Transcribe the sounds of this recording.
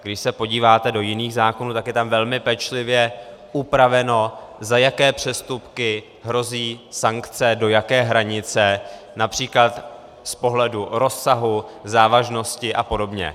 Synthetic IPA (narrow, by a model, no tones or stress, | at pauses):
ɡdɪʃsɛpo̞ɟiːvaːt̪ɛdo̞jɪniːɣzaːkonuːt̪akjɛt̪amvɛlmɪpɛt͡ʃlɪvjɛʔupɾavɛno̞zajakɛːpr̝̥ɛst̪upkɪ | ɦɾo̞ziːsaŋkt͡sɛdo̞jakɛːɦɾaɲɪt͡sɛnapr̥iːklat̪ | spo̞ɦlɛduɾo̞sːaɦuzaːvaʒno̞scɪʔapo̞do̞bɲɛ̰